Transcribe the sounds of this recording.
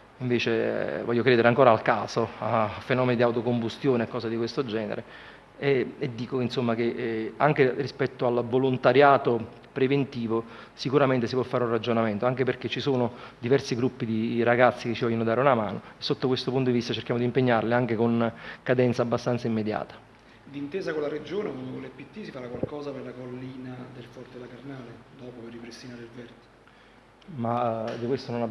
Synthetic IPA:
iɱveːt͡ʃḛvɔʎːokɾeːd̪eɾeaŋkoːɾaalkaːsoafenɔːmenid̪iawt̪okombust̪joːneekːɔːsad̪ikwest̪od͡ʒɛːnḛɾe | ed̪ːiːkoinsomːak̟eaŋk̟erispɛt̪ːoalvolont̪aɾjaːt̪o | pɾevent̪iːvosikuɾament̪es̬ipwɔfːaːɾeunrad͡ʒonament̪oaŋk̟eperk̟et͡ʃːisoːnod̪ivɛrsiɡɾupːid̪iɾaɡat̪sːiket͡ʃːivɔʎːonod̪aːɾeunama̰ːnoesːot̪ːokwest̪opunt̪od̪ivist̪at͡ʃerkjamod̪impeɲːarliaŋk̟ekonkad̪ɛnt̪saːbːast̪ant̪saimːed̪ja̰ːt̪ḁ | d̪int̪eːzakolaɾed͡ʒoːnewand̪okolɛpːit̪ːisifaɾakːwalkɔːzaperlakolːiːnad̪elfɔrt̪elakarnaːled̪ɔːpoperːipɾest̪inaːɾeilvɛrd̪e | mad̪ikwest̪onona

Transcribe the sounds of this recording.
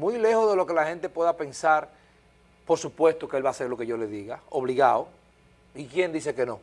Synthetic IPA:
mujle̞hoðe̞loke̞lahẽ̞nt̪e̞pwe̞ðape̞nsaɾ | po̞ɾsupwe̞st̪o̞keelβaːse̞ɾlo̞ke̞ʝole̞ðiɣaoβ̞liɣao | ikje̞nd̪iseke̞nõ

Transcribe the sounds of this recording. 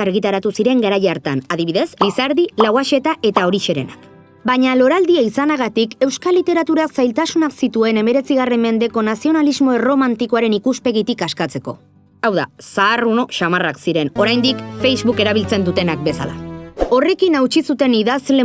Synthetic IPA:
aɾɣit̪aɾat̪usiɾe̞ŋɡaɾajaɾt̪anaðiβiðe̞slisaɾðilawaʃe̞t̪aʔe̞t̪ao̞ɾiʃe̞ɾe̞nak | baɲalo̞ɾald̪iaisanaɣ̞at̪ike̞wskalit̪e̞ɾat̪uɾaksajlt̪asunaksit̪ue̞ne̞me̞ɾe̞t͡siɣ̞are̞mːe̞nd̪e̞ko̞nasio̞nalizmo̞ero̞mant̪ikoaɾe̞nikuspe̞ɣit̪ikaskat͡se̞ko̞̰ | awða̰saːruno̞ʃamaraksiɾe̞no̞ɾajnd̪ikfe̞jzβuke̞ɾaβ̞ilt͡se̞nd̪ut̪e̞nak̚be̞sa̰la̰o̞re̞kinawt͡ʃisut̪e̞niðazle

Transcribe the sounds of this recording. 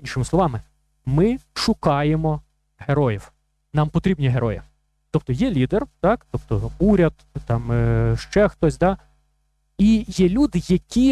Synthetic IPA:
inʲʃɪmɪsˠɔʋɑmɪ | mɪʃʊkɑjemɔ | ɦeɾɔjiw | nɑmpɔt̪ɾʲib̚nʲiɦeɾɔjɛ | t̪ɔp̚t̪ɔjɛlʲid̪ert̪ɑkt̪ɔp̚t̪ɔuɾʲɐd̪ | t̪ɑmʃt͡ʃɛxt̪ɔsʲd̪ɑ | ijɛlʲud̪ɪjɐkʲi

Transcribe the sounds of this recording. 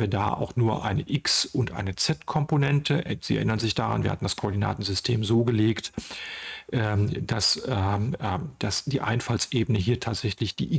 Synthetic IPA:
viːɐda̰ːʔa̰ʊxnuːɐʔa̰ɪnəʔɪksʊntʔa̰ɪnət͡sɛtkʰɔmponɛntʰəz̥iːɛɐʔɪnɐnzɪçd̥aʁa̰nviːɐhatn̩d̥askʰoʔːɐdina̰ːtn̩zʏstʰeːmzoːɡəleːkt | ʔɛd̥asɛːd̥asd̥iːʔa̰ɪnfalsʔeːbənəɦiːɐtʰaːtz̥ɛçlɪçd̥ḭːʔɪ

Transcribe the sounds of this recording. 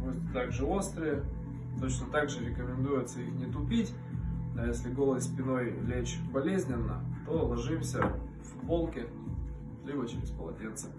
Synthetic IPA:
musʲt̪ʲt̪aɡʐɨo̞st̪ɾəjɪ | t̪o̞t͡ɕnət̪aɡʐɨɾʲɪkəmʲɪnd̪ujʊt̪səixnʲɪt̪ʊpʲitʲ | nojesʲlʲɪɡo̞lˠəsʲpʲɪno̞jlʲet͡ɕbɐlʲezʲnʲɪnːə̰t̪o̞lˠɐʐɨmsʲə | vbolˠkʲɪ | lʲibət͡ɕɪɾʲɪspəlˠɐ̰dʲent̪sɨ̥

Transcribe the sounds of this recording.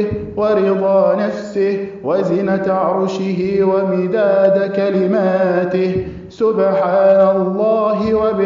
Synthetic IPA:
wɑɾɪd̪ˤɑːnafsɪhwazɪnat̪ʕɾˤʊʃɪɦɪwamɪd̪aːd̪akalɪmaːt̪ɪh | sʊbħaːnalˤːɑːɦɪwabɪ

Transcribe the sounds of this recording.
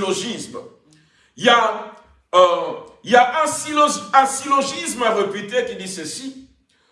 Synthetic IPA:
lɔʒism | ija | ijaʔɛ̃silɔzɛ̃silɔʒismaʁepyt̪ekid̪isəsi

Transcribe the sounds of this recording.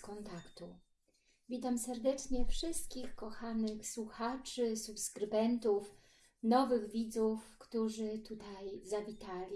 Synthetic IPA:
kɔnt̪akt̪u | vʲit̪amsɛɾd̪ɛt͡ʂɲɛfʂɘst̪̚kʲixkɔxanɘxswuxat͡ʂɘsupskɾɘbɛnt̪uf | nɔvɘɣvʲid̪zufkt̪uʐɘt̪ut̪ajzavʲit̪alʲi

